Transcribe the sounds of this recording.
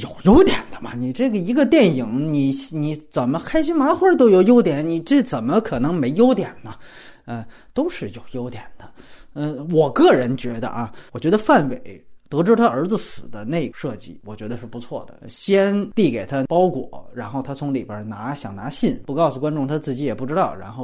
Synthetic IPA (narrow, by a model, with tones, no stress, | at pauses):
jo˨˩ʊjo˥ʊt̪jɛ˨˩nd̪ə˦mɐ̰˧ni˨˩ʈ͡ʂɤ˥˩ɡə˩i˧˥ɡə˧t̪jɛ˥˩nji˧˥ŋni˨˧˩ni˧˥t͡sə˨˩nmə˦kʰa˥ɪɕi˥nma˧˥xwə˥t̪̬o˥ʊjo˨˧˩ʊjo˥ʊt̪jɛ˨˧˥nni˨˩ʈ͡ʂə˥˩t͡sə˨˩nmə˦kʰɤ˨˩nɤ˧˥ŋme˧˥ɪjo˥ʊt̪jɛ˨˩nnə˦ | ə˧ | t̪o˥ʊʂɻ̩˥˩jo˨˩ʊjo˥ʊt̪jɛ˨˩nd̪̥ə˦ə˥˧wɔ˨˩kɤ˥˩ɻə˧˥nt͡ɕɥɛ˧˥d̪ə̰˧ʔɐ˧˩wɔ˨˩t͡ɕɥɛ˧˥ə˧fa˥˩nwe˨˩˦ɪt̪ɤ˧˥ʈ͡ʂɻ̩˥˩t̪ʰa˥ə˞˧˥d͡zɹ̩˧sɹ̩˨˩d̪ə˦ne˥˩ɪʂɤ˥˧t͡ɕi˥˩wɔ˨˩t͡ɕɥɛ˧˥d̪ə˧ʂɻ̩˥˩pu˧˥t͡sʰwɔ˥˩d̪ə̰˩ɕjɛ˥nt̪i˥˩ke˨˩ɪt̪ʰa˥pɑ˥ʊkwɔ̰˨˩˦ɻa˧˥nxo˥˩ʊt̪ʰa˥t͡sʰʊ˧˥ŋlḭ˨˩bjə̰˞˧˥na˧˥ɕjɑ̰˨˩ŋna˧˥ɕi˥˩npu˧˥kɑ˥˧ʊsu˨˩kwa˥nʈ͡ʂʊ˥ŋt̪ʰa˥t͡sɹ̩˥˩t͡ɕi˧˥jɛ˨˩pu˥˩ʈ͡ʂɻ̩˥t̪ɑ˥˩ʊɻa̰˧˥nxo˥˩ʊ